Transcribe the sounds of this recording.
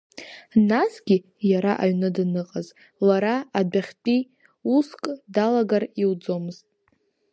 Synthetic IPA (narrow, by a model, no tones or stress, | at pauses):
nasɡʲi | jaɾaʔaɥnɨdnɨqʼaz | laɾaadaχʲt͡pʼi | uskʼdalaɡariwd͡zo̞mɨztʼ